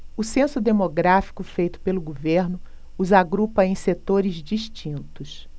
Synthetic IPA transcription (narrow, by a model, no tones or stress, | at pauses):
ʊsẽsʊd̪emoɡɾafi̥kʊfejt̪ʊ̥pelʊɡoveɾnʊ | uzaɡɾupɐẽj̃set̪oɾɪzd͡ʒiʃt͡ʃĩnt̪ʊs